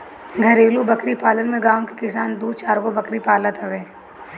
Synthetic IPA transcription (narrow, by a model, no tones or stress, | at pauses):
ɡʱɐɾeːlubɐkɾipaːlənmẽɡãːw̃ki̥kɪsaːnd̪uːt͡ʃaːɾɡobɐkɾipaːlət̪ɐʋɛː